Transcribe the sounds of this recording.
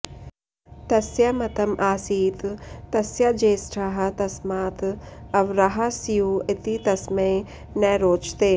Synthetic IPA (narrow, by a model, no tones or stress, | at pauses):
t̪ɐsjɐmɐt̪ɐmʔaːsiːt̪t̪ɐsjɐd͡ʒeːsʈʰaɦɐt̪ɐsmaːt̪ɐʋɾaɦasijuɪt̪it̪ɐsmeː | nɛːɾoːt͡ʃt̪eː